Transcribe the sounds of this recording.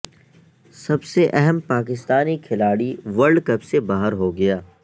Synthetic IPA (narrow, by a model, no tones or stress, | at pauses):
sɐbseʔɛɦɛmpaːk̬ɪst̪aːnikʰɪlaːɽiʋɐɾɖkɐpsebaːɦəɾɦoɡɐjaː